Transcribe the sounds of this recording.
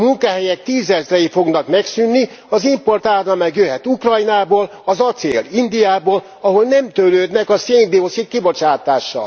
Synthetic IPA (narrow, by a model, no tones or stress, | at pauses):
muŋkaɦɛjɛk̚t̪iːzɛzrɛjifo̞ɡnɒkmɛksynːi | ɒzimpo̞rt̪aːɒmɛkjøɦɛt̪ukrɒjnaːboːl | ɒzɒt̪sḛːlind̪ijaːboːl | ɒɦo̞lnɛmt̪øløːd̪nɛkɒseːŋd̪iosit̪kibo̞t͡ʃaːt̪aːʃːɒ̰l